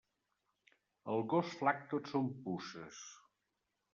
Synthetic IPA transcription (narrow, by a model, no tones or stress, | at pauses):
əlˠɣosflak̚t̪otsompusəs